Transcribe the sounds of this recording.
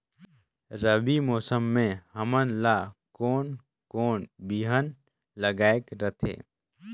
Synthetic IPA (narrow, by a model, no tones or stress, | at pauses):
ɾəbimɔːsəmːẽɦəmənlakɔːn | koːnbiːɦən | ləɡaːekɾət̪ʰḛː